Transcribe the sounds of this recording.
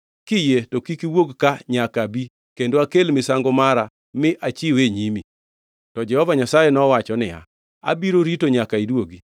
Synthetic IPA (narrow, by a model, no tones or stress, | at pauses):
kɪjetokikiwoɡkaɲakabi | kendoakelmɪsaŋɡomaɾa | mɪʔat͡ʃɪweɲimi | tɔd͡ʒɛhɔvaɲasajenɔwat͡ʃɔnɪja̰ | a̰biɾoɾitoɲakaidwoɡi